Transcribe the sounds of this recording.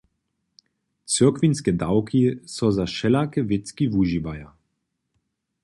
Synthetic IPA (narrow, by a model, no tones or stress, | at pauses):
t͡səkvinskɛd̪awkʰisɔzaʃɛlakɛvɪt͡skivuʒivaja